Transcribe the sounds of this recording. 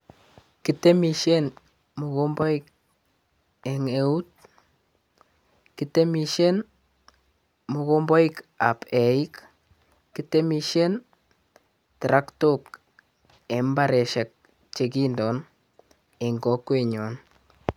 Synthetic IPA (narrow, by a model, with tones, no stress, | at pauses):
kite˦miʃe˦n | muɣo˦mbɔ˦ik̚ | ɛ˨ŋeu˦t̚ | kitemiʃe˦n | mu˨ɣombɔ˦ika̰˨pɛ˨i˦k | kite˦miʃen | tɾa˦ktok | ɛ˨mbaɾe˨ʃɛ˨k̚ | t͡ʃekindɔ˨n | e˨ŋɡɔ˨˦kweɲɔ˨n